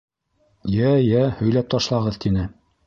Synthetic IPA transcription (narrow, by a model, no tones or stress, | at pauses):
jæjæhɵ̆jlæp̚t̪ɑʃlˠɑʁɤðt̪ʰinɘ